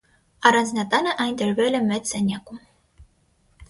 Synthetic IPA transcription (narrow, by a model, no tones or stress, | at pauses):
ɑɾɑnznʲɑt̪ɑnəʔɑjnt̪ɛɾvɛlɛmɛt͡ssɛnʲɑkum